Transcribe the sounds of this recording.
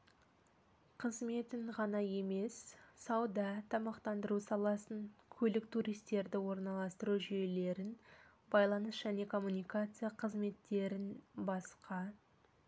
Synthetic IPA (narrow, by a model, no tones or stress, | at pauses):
qʰəzme̞t̪ɪɴʁɑnɑje̞me̞ssɑwd̪ɑt̪ʰɑmɑqt̪ɑnd̪əɾusɑlˠɑsəŋkʲʰɵlɪk̚t̪ʰuɾijst̪e̞ɾd̪ɪwo̞ɾnɑlˠɑst̪əɾuʒijele̞ɾɪn | bɑjlˠɑnəsʒ̥æne̞kʰo̞mːunijkat̪sɨjaqʰəzme̞t̪ːe̞ɾɪnbɑsqʰɑ